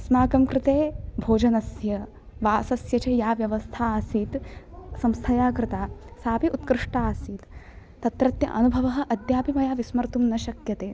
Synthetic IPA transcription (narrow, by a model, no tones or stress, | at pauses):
ɐsmaːkɐmkɾɪt̪eːbʱoːd͡ʒɐnɐsjɐ | ʋaːsɐsjɐt͡ʃejaːʋjɐʋɐst̪ʰaːsiːt̪sɐmst̪ʰɐjaːkɾɪt̪aːsaːpiʔut̪̚kɾɪʂʈaːsiːt̪ː | ɐt̪ɾɐt̪jɐ̰ʔɐnubʱɐʋɐɦɐ̆ʔɐd̪jaːpimɐjaːʋismɐɾt̪umnɐʃɐkjɐt̪eː